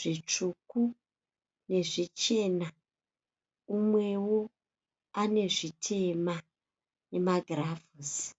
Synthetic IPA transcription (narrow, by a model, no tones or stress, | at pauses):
ʐ̥it͡ʂuku | ne̞ʐit͡ʃe̞na | umwe̞wo | ane̞ʐitʰe̞ma | ne̞maɡʱravus